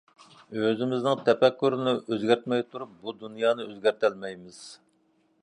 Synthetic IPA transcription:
øzɪmɪznɪŋt̪ʰɛpɛkʲːyɾɪnɪʔøzɡʲæɾt̪mɛjt̪ʰuɾup̚bud̪unjɑːnɨøzɡʲæɾt̪ʰælmɛjmɪz̥

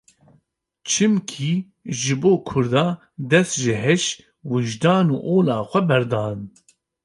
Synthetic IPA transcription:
t͡ʃʰɨmkʰiː | ʒɨboːkʰʊɾd̪ɑː | d̪ɛst̪ʒɨɦɛʃ | wɪʒd̪ɑːnṵːʔoːlɑːxʷɛbɛɾd̪ɑːn

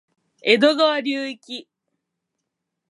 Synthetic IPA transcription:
ed̪oɡaβaɾʲɨːikʲi

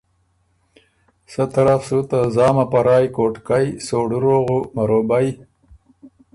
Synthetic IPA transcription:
sɐt̪ɐɾafsut̪azɑːmapaɾɑːjkoːʈkajsoːɽuɾoːɣumaɾoːbaj

